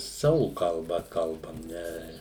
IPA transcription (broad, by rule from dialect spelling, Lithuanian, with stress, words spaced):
ˈsɑːʋʊ kɐlˠˈbɐ ˈkɐlˠbɐm ˈnʲɛ